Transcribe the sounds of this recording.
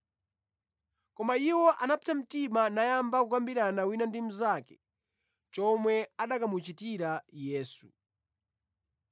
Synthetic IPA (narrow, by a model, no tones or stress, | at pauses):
kɔmaiwɔʔanapitam̩timanajambakukambiɾanawinandim̩zaːkɛ̥ | t͡ʃɔmwɛaɗakamut͡ʃitiɾajɛːsu